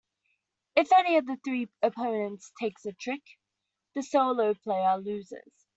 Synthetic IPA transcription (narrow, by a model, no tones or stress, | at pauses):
ɪfɛniəvðəθɹiːəpʰə̃ʊ̃nə̃ntstʰeɪksətʰɹ̥ɪk | ðəsəʊləʊpʰl̥eɪəlʉːzɪ̰z̥